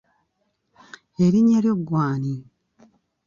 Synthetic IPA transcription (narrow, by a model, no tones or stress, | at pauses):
eɾiɲeɾjoɡwaːni